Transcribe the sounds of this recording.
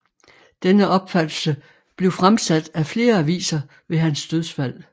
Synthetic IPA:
d̥enəʔɒ̽b̥fæd̥l̩sə | b̥le̝ʊfʁamsæd̥æfle̝ːɐæʋḭːsɐ | ʋe̝ɦænsd̥øðˠsfæl̰

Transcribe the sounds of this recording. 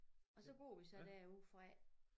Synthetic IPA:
ɒ̽sɒ̽ɡ̥o̰ːʋisɒ̽d̥æɐ̰uð̰ˠfʁɑ

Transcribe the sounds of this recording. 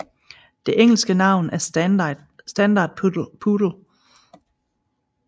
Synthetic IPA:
d̥e̝ʔeŋ̰l̩sɡ̥ənɑ̈ʊ̰næɐ | sd̥ænd̥ɑ̰̈ːd̥̚pʰud̥l̩

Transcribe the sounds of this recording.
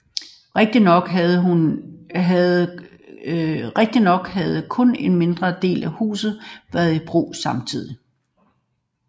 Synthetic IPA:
ʁeɡ̥̚d̥inɒɡ̥ðˠunɦð | ʁeɡ̥̚d̥inɒ̽ɡ̥hæð̞ˠəkʰɔ̽ne̝nme̝nd̥ʁɐd̥e̝̰ːlæhṵːsð̩ˠʋæɐðˠib̥ʁṵːsɑ̈mt͡sʰið̰ˠi

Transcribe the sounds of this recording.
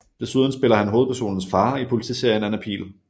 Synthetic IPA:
d̥e̝suð̞ˠn̩sb̥e̝lɐhænɦo̝ːð̞̩ˠpʰæɐso̝̰ːnn̩sfɑ̈ːipʰo̝lit͡sʰḭːse̝ɐ̰jənænæpʰḭːl

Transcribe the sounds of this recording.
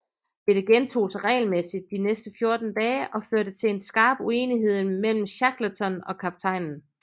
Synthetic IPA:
b̥e̝d̥əɡ̥ent͡sʰo̝̰ːsɑʁɛ̰ɪlmesid̥̚ːinesd̥əfjo̝ɐd̥n̩d̥ɛːʔɒ̽føɐ̰ɾ̥ət͡sʰe̝le̝nsɡ̥ɑ̈ːb̥ue̝ːniɦe̝ð̞̰ˠmel̰m̩ɕɑɡ̥lət͡sʰɒ̽nɒ̽kʰɑb̥̚t͡sʰɑ̈ɪ̰nn̩

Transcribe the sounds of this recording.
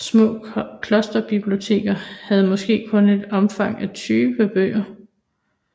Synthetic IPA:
smɔ̰̽ːkʰlɒ̽sd̥ɐb̥ib̥lio̝t͡sʰe̝̰ːɡ̥ɐhæð̞̩ˠmɒ̽sɡ̥e̝̰ːkʰɔ̽ne̝d̥ɒ̽mfɑ̈ŋ̰æt͡sʰyːʋəb̥ø̰ːɐ

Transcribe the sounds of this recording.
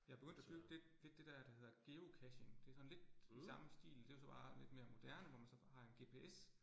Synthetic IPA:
jɑ̈ɪb̥e̝ɡøn̰d̥æd̥yb̥d̥e̥le̝d̥ːe̝d̥æɐd̥æhe̝ð̰ˠɐɡ̥e̝ːokʰæɕeŋd̥e̝æɐsɒ̽n̩le̝d̥isɑ̈məsd̥ḭːld̥e̝jo̝sɒ̽b̥ɑ̈ːle̝d̥̚me̝ːɐmo̝d̥æɐnəʋɒmænsɒ̽hɑ̈e̝nɡ̥e̝ːpʰe̝es

